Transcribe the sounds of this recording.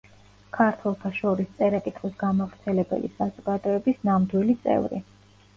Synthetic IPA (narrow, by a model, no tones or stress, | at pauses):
kʰaɾt̪ʰwɛlˠt̪ʰaʃɔɾist̪sʼɛɾakʼit̪ʼχʼisɡamavɾt̪sʰɛlɛbɛ̰lḭsazuɡ̥ad̪ɔɛbisnamd̪wilit̪sʼɛ̰vɾḭ